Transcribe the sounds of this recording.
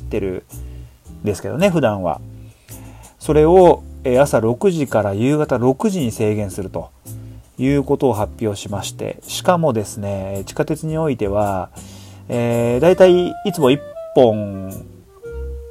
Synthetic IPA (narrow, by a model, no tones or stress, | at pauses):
t̪ːe̞ɾɯ̟̰ | nd̪esɨ̥ke̞d̪o̞̰ne̞ɸɯ̟d̪ãɰ̃βa̰ | so̞ɾe̞o̞easaɾo̞kɯ̟ʑikaɾajɯːɡat̪aɾo̞kɯ̟ʑiɲ̟ise̞ːɡẽ̞sɨɾɯ̟t̪ojɯ̟ːko̞t̪o̞ːɦapʲːjo̞ːɕimaɕi̥t̪e̞̰ɕi̥kamo̞d̪e̞sɨne̞t͡ɕi̥kat̪e̞t͡sɨɲ̟io̞it̪e̞β̞a | eːd̪ait̪aiit͡sɨmo̞ipːõ̞ɴ